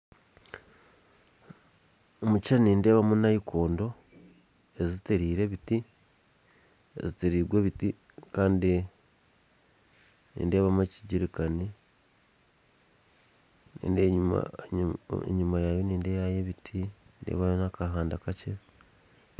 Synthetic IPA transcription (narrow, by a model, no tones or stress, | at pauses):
omut͡ʃaniːnde̞ːβamunaikʰo̞ːndo̞ | e̞ziteɾiːɾe̞βiti | eziteɾiːɡweβiti | kaːndi | nḭːnde̞ːβamueciɟiɾikani | nḭːndea̰ | ḛɲumajaːjo̞niːndeβajeβitʰindḛːβajonakaɦaːndakace